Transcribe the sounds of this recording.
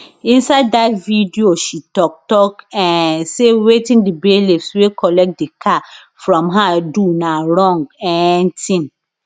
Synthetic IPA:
ĩnsaddatvidioʃitɔk̚tɔkɛ̃nsewetĩndibelifswekʰɔlɛk̚t̚dikʰa | fɹɔ̃mɦadunãɾɔ̃ŋɡɛ̃ntʰĩn

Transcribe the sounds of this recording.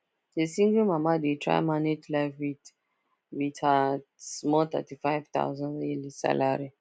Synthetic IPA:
desĩŋɡəmamadetʰɹa̰ɪmanetlaɪfwit | witasmɔlt̪ɛ̰tifajvt̪a̰ʊzɔ̃njilisa̰laɹi

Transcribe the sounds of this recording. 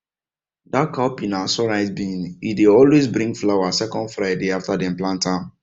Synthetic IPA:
dakaʊpinasɔɹaɪzbĩnideɔlwezbɾĩŋflawasɛkɔ̃ndfɾaɪdeaftadem̩plãntãn

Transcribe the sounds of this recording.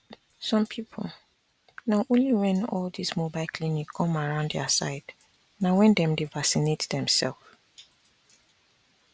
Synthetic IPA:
sɔ̃mpʰipʰo̰l | naʊʔõnliwɛ̃nɔldismobakʰlinikʰːɔ̃maɹãʊ̃nddɛəsaɪd̥ | nawɛ̃ndɛ̃mdevasinetdɛ̃msɛ̰lˠf

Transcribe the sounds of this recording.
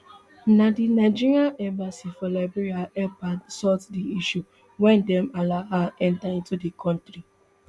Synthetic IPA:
nadinaɪd͡ʒiɹiaʔɛ̃mbasifɔlaɪbɔɾiaɛpadsɔtdiiʃu | wɛndɛmalaɦaɛ̃ntaĩntudikʰɔ̃ntɾi

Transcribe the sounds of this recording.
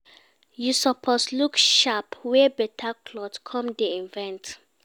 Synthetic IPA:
jusɔpʰɔslukʃapwɛbɛtʰakʰlɔdkʰɔ̃mdeĩnvɛ̃nt

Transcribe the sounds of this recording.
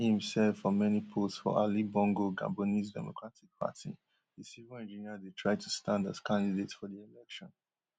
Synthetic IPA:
ĩmsɛdfɔmɛnipʰosfɔ̰ʔalibɔ̃ŋɡoɡã̰bonisdɛ̰mo̰kʰɹatik̚pʰa̰tʰḭ | ðisivəɛ̃nd͡ʒiniadetʰɹaɪtʰustʰãnda̰z̥kʰãndidetsfɔðielɛkʃɔ̃n

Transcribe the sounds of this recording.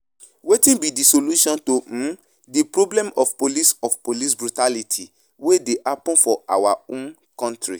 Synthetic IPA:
wetĩnbidisoluʃɔ̃ntõ | dipɾoblɛ̃mɔfpolisɔfpolisbɾutalitʰi | wedeʔapɔ̃nfɔawaõn | kɔ̃ntɾḭ

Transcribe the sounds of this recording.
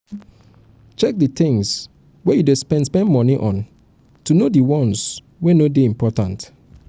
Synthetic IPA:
t͡ʃɛk̚dɨθɪ̃ŋs | wɛjudespɛ̃ndspɛ̃ndmɔ̃niʔɔ̃n | tʰunodiwɔ̃ns | wenodeĩmpʰɔtãnt

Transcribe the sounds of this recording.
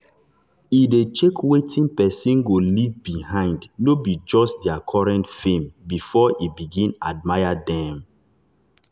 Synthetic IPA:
idet͡ʃekʰwetĩnpɛsĩnɡolivbihãɪ̃ndnobid͡ʒɔstdɛakʰɔɹɛ̃ntfẽmbifɔʔibiɡĩnad̚maɪadɛ̃m

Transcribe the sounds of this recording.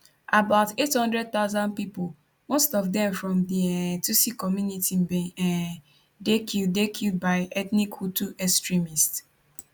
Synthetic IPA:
abaʊtethɔ̃ndɹɛd̚t̪aʊzãndpipo | mostɔfdɛ̃mfɹɔ̃mditusikɔmjunitim̩bɛ̃ɛ | dekʰidekʰild̚baɪɛtnikhutuʔɛkstɹimist

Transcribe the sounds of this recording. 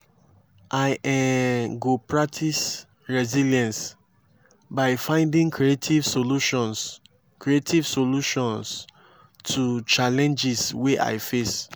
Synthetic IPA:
ʔaɪʔɛ̃ɡopʰɹak̚tʰis | ɹɛziljɛ̃ns | baɪfãɪ̃ndĩŋkʰɹietʰivsoluʃɔ̃n | kɹietʰivsoluʃɔ̃ns | tʰut͡ʃalɛ̃nd͡ʒisweʔa̰ɪfes

